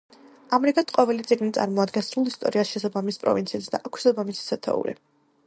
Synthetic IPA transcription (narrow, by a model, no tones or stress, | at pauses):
amɛɾikʼat̪ʰqʼɔvɛlit̪sʼiɡnit̪sʼa̰ɾmɔad̪ɡɛnsɾulˠist̪ʼɔɾiasʃɛsabamispʼɾɔ̰vint̪sʰisd̪a̰ʔakʰwi̥sabamissʰɛt̪ʰɛ̰ṵɾḭ